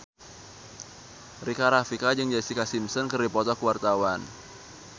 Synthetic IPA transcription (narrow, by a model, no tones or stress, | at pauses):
rikaɾafikad͡ʒɨŋd͡ʒasikasimsɔnkɨrdipɔt̪ɔkəwart̪awan